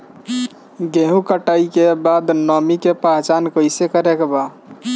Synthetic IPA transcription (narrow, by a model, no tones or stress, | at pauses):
ɡeɦũkəʈəikebad̪nɔmikepaɦt͡ʃankəjsekəɾekeba